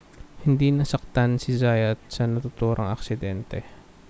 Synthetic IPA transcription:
hɪnd̪inɐsɐk̚t̪ansɪzaːjɐt̪̚sɐnɐt̪ʊt̪uːɾʔoŋɐ̰ksɪd̪ɛnt̪ɛ

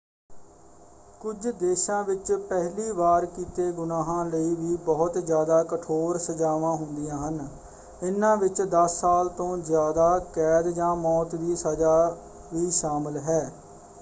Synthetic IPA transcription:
kʊd͡ʒd̪eːʃãːʋɪt͡ʃpɛɦliːbaːɾkiːt̪eːɡʊnaːɦãːləiːʋiːbɔːʊt̪zjaːd̪aːkəʈʰoːɾsəd͡ʒaːʋãːɦʊnd̪ɪjãːɦən | ɪnːãːʋɪt͡ʃd̪əsːaːlt̪õːzjaːd̪aːkɛːd̪d͡ʒãːmɔːt̪ʋiːsəd͡ʒaː | ʋiːʃaːmɪlɦɛː

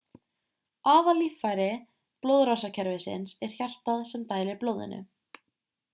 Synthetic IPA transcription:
aːvalifajɾɪ | plowðɾawsacʰɛɾvɪsɪ̰nsɛɾ̥çjar̥t̪aðsɛmt̪aːjlɪɾploːwðɪ̰nːʏ̰

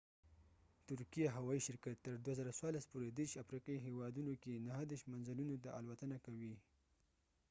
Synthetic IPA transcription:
t̪ʊɾkijaɦawɑiʃɪɾkat̪ːəɾd̪wazəɾaswɑɾlaspoɾed̪eɾʃafɾiqɑiɦewɑd̪unokenaɦəd̪eɾʃt̪manzəlunot̪aʔalwat̪ənakawi

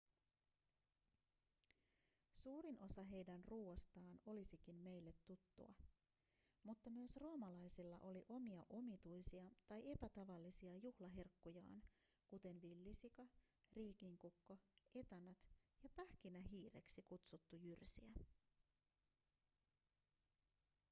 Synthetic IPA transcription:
suːɾino̞sɑɦe̞jdænruːost̪ɑːno̞lisikinme̞jlːe̞t̪ːut̪ːṵɑ̰ | mut̪ːɑmyøsroːmɑlɑjsilːɑ̰ʔo̞liʔo̞miɑʔo̞mit̪ujsiɑt̪ɑje̞pæt̪ɑʋɑlːisiɑjuhlɑɦerkːujɑ̰ːn | kut̪e̞nʋilːisikɑ | riːk̟iŋkukːo̞e̞t̪ɑnɑt̪jɑpæhk̟inæɦiːre̞̰ksikut̪sut̪ːujyrsiæ

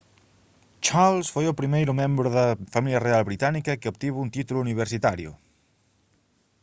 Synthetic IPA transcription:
t͡ʃalˠsfojopɾimejɾumembɾoðəfamiliərealˠβɾit̪anikəkeopt̪iβuunt̪it̪uluːniβ̞əɾsit̪aɾjṵ

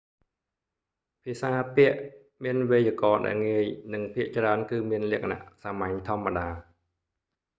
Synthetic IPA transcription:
pʰiəsaːpiəʔ | miənʋeːjəəkɑːɗa̰ɛlŋiəjnɨŋpʰiəʔt͡ɕraənkɨːmiənlɛ̆əkʰna̰ʔsamaɲt̪ʰŏəmːaɗaː

